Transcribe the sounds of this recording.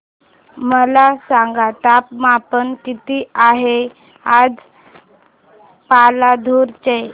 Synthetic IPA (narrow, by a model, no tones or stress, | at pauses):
məlasãŋɡat̪apmapənkit̪iːaɦe | ad͡z | palad̪ʱuɾt͡ɕej